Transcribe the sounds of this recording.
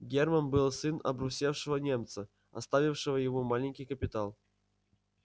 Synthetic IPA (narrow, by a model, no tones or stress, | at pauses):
ɡʲermənbɨlˠsɨnɐ̰bɾusʲefʂɨvənʲemt̪sə | ɐ̰st̪avʲɪfʂɨvəjɪvomalʲɪnʲkʲijkəpʲɪt̪alˠ